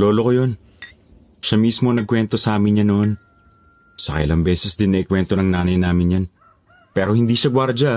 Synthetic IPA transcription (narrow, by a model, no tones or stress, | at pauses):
lo̞ːlo̞kojo̞n | ʃamiːsmonɐɡ̚kwɛnt̪o̞sɐʔaːmɪnɲanoʔon | sɐkɐ̰ʔɪ̰lɐŋbɛːsɛsd̪ɪnːɐʔɪkwɛnt̪onɐŋnaːnɐjnaːmɪnjan | pɛːɾo̞hɪnd̪iːʃɐɡwaɾd͡ʒɐ